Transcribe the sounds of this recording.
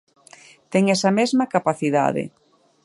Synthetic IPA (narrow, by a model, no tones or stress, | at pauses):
t̪ɛŋɛsɐmezmakapaθiða̰ðḛ